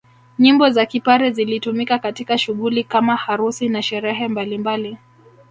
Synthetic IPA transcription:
ɲimbɔzakipaɾɛzilitumikakatikaʃuɠulikamahaɾusinaʃɛɾɛɦɛmbalimbali

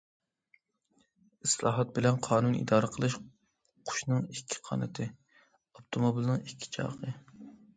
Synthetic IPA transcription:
ɪslˠɑ̰ːɦɑt̪̚bɪlɛnqʰɑːnunḭd̪ɑːɾəqʰəlˠɨʃ | qʰʊ̥ʃnɨŋikʲʰːi̥qʰɑ̰ːnɨt̪ʰɨ | opt̪ʰomobilˠnɨŋikʲʰːi̥t͡ʃʰɑ̰ːʁə

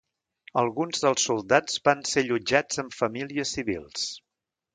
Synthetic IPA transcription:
əlˠɣunzðəlˠsːulˠd̪az̥βanseʎud͡ʒad͡zəmfəmiliəsiβḭlˠs

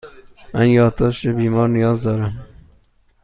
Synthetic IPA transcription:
mænjɒːd̪̚d̪ɒːʃebiːmɒːɾnijɒːzd̪ɒːɾæm

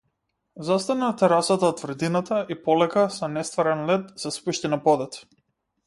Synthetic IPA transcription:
zast̪anat̪ɛɾasat̪at̪vr̩d̪inat̪aipɔlɛkasɔnɛst̪vaɾɛnlɛt̪sɛspuʃt̪inapɔd̪ɛt̪

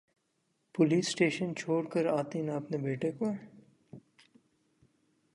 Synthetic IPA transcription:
pʊliːsːʈeːʃənt͡ʃʰoːɽkəɾaːt̪inaɐpnebeːʈekoɦ

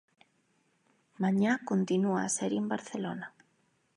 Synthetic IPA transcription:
maɲakont̪inua̰ːsɛɾjoembaɾθelonɐ

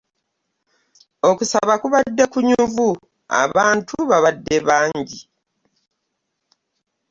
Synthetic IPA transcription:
o̞kusaβakuβadːe̞kuɲuvu | a̰βaːntʰuβaβadːe̞βaːɲɟi

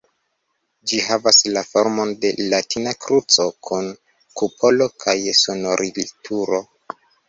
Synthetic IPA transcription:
d͡ʒiɦavaslafo̞ɾmo̞nde̞latinakɾut͡so̞kʰun | kupʰo̞lo̞kʰajsono̞ɾʔiltʰuɾo̞

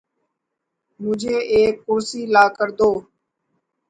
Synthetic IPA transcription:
mʊ̃d͡ʒʱeːʔeːkːʊɾsiːlaːkəɾd̪oː

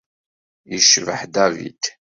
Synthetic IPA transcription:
jəʃvəħd̪ævḭt̪

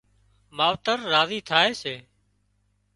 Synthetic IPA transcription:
maːʋt̪əɾːaːziːt̪ʰaːeːseː

